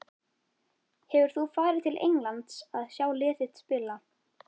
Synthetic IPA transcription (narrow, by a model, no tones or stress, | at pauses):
hɛvʏɾ̥θufaːɾɪt̪ʰɪlʔḛjŋlant̪saðsjaːwlɪːθɪt̪spɪla